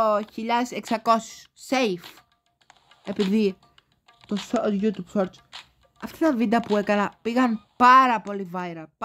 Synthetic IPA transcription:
oçiʎɐðeseksɐko̞si̥ssejf | e̞piði | t̪osoʝut̪ub̥soɾt͡s | ɐft̪oit̪ɐvind̪ɐpue̞kɐnɐpiɣɐnpɐɾɐpo̞livɐjɾɐp

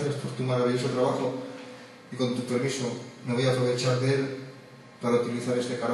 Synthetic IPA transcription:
θjaspo̞ɾt̪umaɾaβiʎo̞so̞t̪ɾaβaxo̞ | iko̞nt̪upe̞ɾmisomeβo̞japɾo̞βe̞t͡ʃaɾðe̞l | paɾaut̪iliθaɾe̞st̪e̞kaɾ

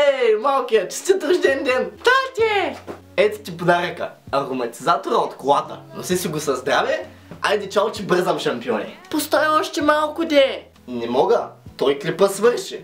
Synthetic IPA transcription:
ɛmalˠkijɐt͡ʃi̥st̪ʲit̪oʃd̪ɛnd̪ɛnt̪at̪ʲɛ | ɛt̪t̪ʲipod̪aɾɛkə̰ɐɾomɐt̪ʲizat̪oɾɐot̪kolˠat̪ə̰no̰sɛsiɡʊsɐzd̪ɾavʲɛ | a̰jd̪ɛt͡ʃalˠt͡ʃibəɾzɐmʃɐmpiɔnʲɛ̰post̪ɔjɛɔʃt̪ɛmalˠkʊd̪ʲɛ | nɛmɔɡət̪ɔjkɾipəsvəɾʃi

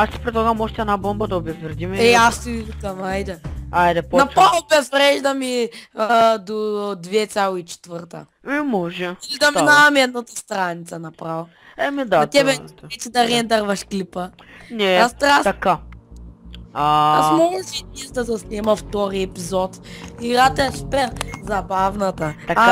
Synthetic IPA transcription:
ast̪i̥pɾɛt̪ɔɡamɔʒt̪iɐnabõmbɐd̪ɐobɛzvɛɾd̪imɛɛast̪ik̪ɐmajd̪ɛajd̪ɛpɔnɐpɾalˠbɛzvɾɛʒd̪ɐmi | d̪od̪vɛt̪sʲjalˠit͡ʃɛ̥t̪vəɾt̪ɐ̰ | ɛmɔʒɛlid̪ɐmid̪aɐmiɛd̪nat̪ɐst̪ɾanʲit̪sɐnɐpɾal | ɛmid̪aɐt̪ɛbɛvɛt͡ʃ̪id̪ɐɾɛnd̪aɾvɐʃklipənɛast̪ɾast̪ɐka | aasmɔʒɛt̪izd̪ɐzɐsnʲɛmɐft̪ɔɾiɛpizɔt̪iɾat̪ɛspɛzɐbavnɐt̪ɐt̪a

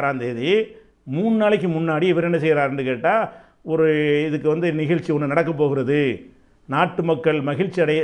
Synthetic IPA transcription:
ɾaːnd̪eːði | muːnnaːɭɪk̬ːɯmʊnːaːɽiɛʋɐɾɛnːɐsɛjːɪɾaːɾɛndrɯkeːʈːaː | ɔɾɯɪðɯkːɯʋɐnd̪ɯnɪɣɐɻt͡ʃːiɔnːɯnɐɽɐk̬ːɐp̬ːoːɣɪɾɐðɯ | naːʈːɯmɐkːɐɭmɐɣɪɻt͡ʃːiɐɽɐ

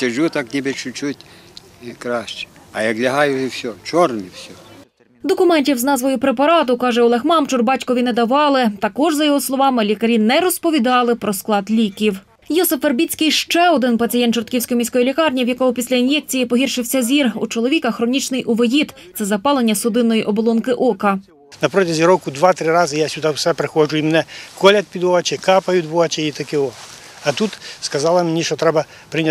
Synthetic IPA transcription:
sʲɐʒut̪ɑknʲibɪt͡ʃʊt͡ʃutʲ | kɾɑʃt͡ʃɛ̥ | ɐjɐklʲɐɦɑjʊwsʲɔt͡ʃɔrniwsʲɔ | d̪ɔkʊmɛnʲtʲiwznɑzʋɔjʊpɾepɐɾɑt̪ʊkɑʒɛɔlˠɛxmɑmt͡ʃʊrbɑtʲkɔʋʲinɛd̪ɐʋɑlˠɪt̪ɐkɔʒzɐjɔɦɔslˠɔʋɑmɪlʲikɐɾʲinɛɾɔspɔʋʲid̪ɑlˠɪpɾʔɔsklˠɑd̪lʲikʲiw | jɔsɪferbʲit͡sʲkɪjʃt͡ʃɛɔd̪ɪnpɐt͡sʲɪjɛnt̪t͡ʃɔrt̪̚kʲiwsʲkɔjimʲijsʲkɔjilʲikɑrnʲiwjɐkɔɦʊpʲisʲlʲɐinjɛk̚t͡sʲijipɔɦirʃɪwsʲɐzʲirṵt͡ʃɔlˠɔʋʲikɐxɾɔnʲit͡ʃnɪjʔʊʋejit̪t̪sɛzɐpɑlˠenʲːɐsʊd̪ɪnːɔjiʔɔbɔlˠɔnkɪʔɔkɐ | nɐpɾɔt̪ʲɪzʲiɾɔkʊd̪ʋat̪ɾɪɾɑzɐjasʲʊd̪awsɛpɾɪxɔʒʊimnɛkɔlʲɐt̪̚ʲpʲid̪ɔɐt͡ʃɛkɑpɐjʊt̪ʲʋɔɦɐt͡ʃʲɛit̪ɐkɪɔ | ɐt̪ut̪skɐzɑlˠɐmnʲiʃɔt̪ɾɛbɐ | pɾɪnʲ

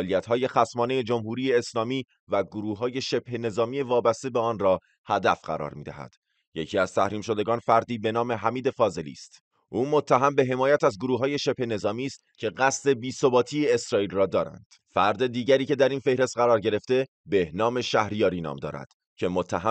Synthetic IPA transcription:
lijæt̪ɦɒːje̞xæsmɒːneje̞d͡ʒomhuːɾiːjeːslɒːmiː | væɡoɾuːɦɒːje̞ʃe̞b̥he̞ne̞zɒːmiːe̞vɒːbæst̪e̞beɒːnrɒː | hæd̪æfɢæ̰ɾɒ̰ːɾmiːd̪æ̰hæ̰d̪̥ | je̞cʰiːæz̥t̪ʰæhɾiːmʃo̞d̪e̞ɡɒːnfæɾd̪iːbe̞nɒːme̞ɦæmiːd̪e̞fɒːze̞lḭːst̪ | ʔuːmot̪ʰːæɦæmbe̞ɦe̞mɒːjæt̪æzɡoɾuːɦɒːje̞ʃe̞phe̞ne̞zɒːmiːst̪cʰe̞ɣæst̪e̞biːsobɒːt̪ʰiːeːsɾɒːiːlrɒːd̪ɒːɾæ̰nd̪̥ | fæɾd̪e̞d̪iːɟæɾiːcʰe̞d̪æɾiːnfe̞hɾe̞st̪̚ɢæɾɒːɾɟe̞ɾe̞ft̪e̞ | be̞hnɒːme̞ʃæhɾijɒːɾiːnɒ̰ːmd̪ɒ̰ːɾæ̰d̪̥ | cʰe̞mot̪ʰːæɦæ

